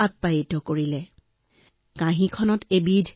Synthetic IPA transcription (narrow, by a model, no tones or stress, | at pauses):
at̚pajitɔkoɹilɛ | kãɦĩkʰɔnɔtebidʱ